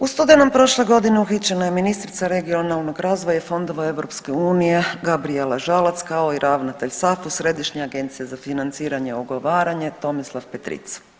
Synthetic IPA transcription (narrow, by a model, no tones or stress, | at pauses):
ust̪ud̪enompɾo̞ʃle̞ɡo̞d̪ineuxit͡ʃe̞najeminist̪ɾit̪saɾe̞ɡionalˠnoɡɾaːzʋojafo̞nd̪o̞ʋae̞ʋɾo̞pske̞uːnije̞ɡabɾielaʒalˠat̪skao̞iɾʔaʋnat̪eʎsafusɾe̞d̪iʃɲeaɡe̞nt̪sijezafinant̪siːɾaɲe̞oɡoʋaːɾaɲe̞t̪o̞mislˠafpet̪ɾḭt̪sḁ